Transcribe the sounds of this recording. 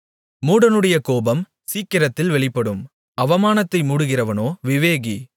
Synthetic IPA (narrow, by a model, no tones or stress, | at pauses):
muːɽɐnɯɽɐjɐkoːbɐm | siːkːɪɾɐt̪ːɪlʋɛɭɪpːɐɽɯm | ɐʋɐmaːnɐt̪ːɐɪmuːɽɯɣɪrɐʋɐnoːʋɪʋeːɣi